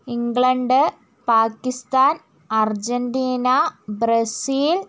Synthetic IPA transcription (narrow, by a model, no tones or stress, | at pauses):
iŋɡɭɐɳɖɨ | paːkːist̪aːn | ɐrd͡ʑɐnɖiːnɐbɾɐsiːl